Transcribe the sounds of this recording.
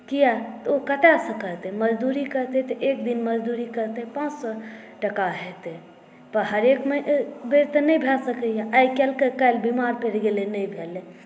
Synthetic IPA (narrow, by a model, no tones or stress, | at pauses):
kijat̪okəʈasə̃kəɾt̪ɛməd͡ʒd̪uɾikəɾt̪et̪ɔʔek̚d̪inməd͡ʒd̪uɾikəɾt̪eɦɛpãːt͡ʃsɔ | ʈəkaɦet̪e | pəɾɦəɾekməʔbeɾt̪ənəibʱelsəkəjãʔajkelkekəjlbimaɾpeɽɡelenəibʱele